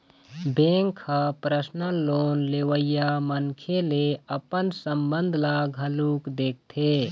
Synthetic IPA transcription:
bẽŋkʰapɾəsnəloːnleʋəjamənkʰeleəpənsəmbə̃nd̪ʱlaɡʱəlukd̪eːk̚ʰt̪ʰe

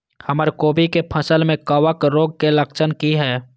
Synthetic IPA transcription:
həməɾkoːbikepʰəsəlmẽkəwəkɾoːɡ̚keləkt͡ʃənkiɦɛː

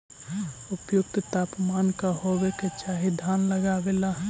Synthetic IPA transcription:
ʊpjʊk̚t̪t̪aːpmaːnkaɦoʋeket͡ʃaːɦid̪ʱaːnləɡabela

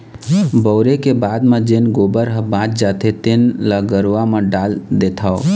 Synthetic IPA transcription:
bəːɾekebaːd̪mẽd͡ʒenɡoːbəɾɦəbãːt͡ʃd͡ʒaːt̪ʰet̪enlaɡəɾʋamẽɖaːld̪et̪ʰao

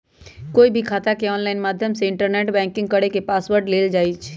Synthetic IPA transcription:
koːibʱikʰaːt̪akeɔːnlaːɪnmaːd̪ʱjəmseɪ̃ɳʈəɾneːʈbɛ̃ːŋkɪ̃ŋɡ̚kəɽekepaːsʋəɾɖleːld͡ʒaːit͡ʃʰ

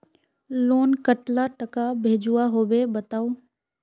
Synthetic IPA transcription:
loːnkəʈlaʈɐkabʱeːd͡ʑuaɦoːʋebɐt̪aːoː

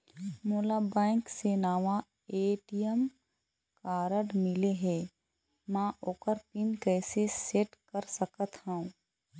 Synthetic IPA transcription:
moːlabɛ̃ːŋksenaːʋa | eːʈijəm | kaːɾəɖmɪleɦɛː | mãʔoːkəɾpɪnkɛːseseːʈkəɾsəkət̪ɦaũ

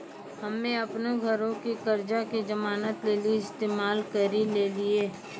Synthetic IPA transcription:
hɐmːẽɐpneɡʱəɾõkikəɾd͡ʒakid͡ʒəmaːnət̪leːliɪst̪eːmaːlkəɾileːlieː

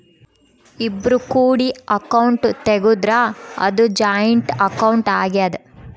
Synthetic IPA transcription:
ibːɾukuːɽiɐkɐwuɳʈt̪eɡud̪ɾaɐ̰d̪ud͡ʒaːjɐɳʈɐkɐwɳʈaːɡjad̪e

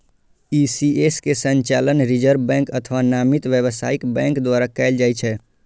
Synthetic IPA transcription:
isieskesə̃ɲt͡ʃalənɾid͡ʒəɾbbɛ̃ŋkət̪ʰʋanaːmit̪ʋjəbsaːikbɛ̃ŋkd̪waɾakɛɪld͡ʒajt͡ʃʰɛ

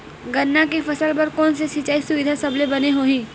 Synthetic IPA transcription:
ɡɐnːakefɐsəlpɐɾkɔːnsesɪt͡ʃaːisʊʋɪd̪ʱasɐblebɐneɦoːɦĩː

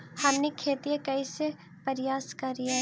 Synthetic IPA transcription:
hɐmnekʰeːt̪iekɐise | pɐɾɪjaːskɐɾijaɦ

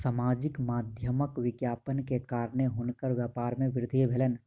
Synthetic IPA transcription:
samaːd͡ʒɪkmad̪ʱjəməkʋɪɡjaːpənkekaːɾneɦunkəɾʋjəpaːɾmẽʋɪɾd̪ʱibʱeːlən

